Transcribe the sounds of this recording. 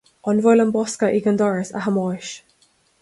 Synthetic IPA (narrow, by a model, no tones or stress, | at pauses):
ɔnvɔjləmbɔskəʔiɡənd̪ɔɹɪsa̰ɦəmɔjʃ